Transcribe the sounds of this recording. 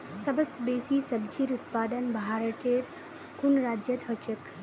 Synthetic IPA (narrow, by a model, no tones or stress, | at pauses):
sɐbəsbeːsiːsəb̚d͡ʒiːɾut̪̚paːd̪ənbʱaːɾəʈ̪eɾ | kunɾaːd͡ʒjət̪ɦət͡ʃək